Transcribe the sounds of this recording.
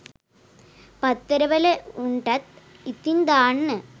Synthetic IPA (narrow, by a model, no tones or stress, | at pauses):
pɐt̪ːɐɾɐʋɐleuɳʈɐt̪ | it̪ːind̪aːɳːɨ